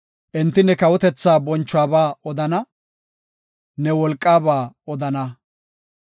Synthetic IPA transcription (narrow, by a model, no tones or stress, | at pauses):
ʔɛnt̪ːɪnɛkɐwɔt̪ɛt͡sːaːbɔnt͡ʃːʊaːbaːɔd̪ɐnɐ | nɛwɔlkʼːaːbaːɔd̪ɐnɐ